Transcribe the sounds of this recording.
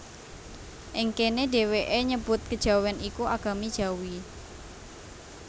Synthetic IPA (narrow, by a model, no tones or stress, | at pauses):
ʔɪŋkenede̤weʔeɲəb̥ʊt̪̚kəd̥ʒ̥a̤wanikuʔaɡ̥a̤mid̥ʒ̥a̤wi